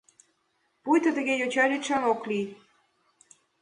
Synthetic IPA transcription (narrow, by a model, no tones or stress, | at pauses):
pujt̪ə̆t̪ə̆ɣejot͡ɕɑɾʲiʃɑnoklij